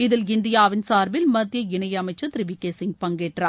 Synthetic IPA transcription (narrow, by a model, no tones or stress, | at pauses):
ɪðɪlɪnd̪ɪjaːʋɪnsaːɾbɪlmɐd̪jɐɪnɐjɐɐmɐɪt͡ʃːɐt̪ɪɾɪbɪkːeːsɪŋɡ̚pɐŋɡeːʈra̰ː